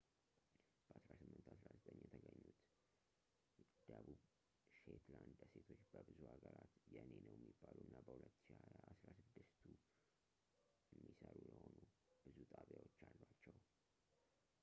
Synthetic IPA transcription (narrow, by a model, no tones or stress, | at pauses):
b̥əʔasɾasɨmːɨnt̪ʰasɾazət̪ʼəɲːjɛt̪ʰəɡəɲːut̪ | d̪̥əβub | ʃet̪land̪ase̞t̪ʰo̞t͡ʃːbəbɨzuhaɡəɾat̪jɛnenəwjɛmːibːaluɨnːabəhulət̪ːʃiasɾasɨd̪ːɨst̪ʰu | jɛmːisəɾujɛho̞nu | b̥ɨzut̪ʼaβjawot͡ʃːalːwat͡ʃːɛw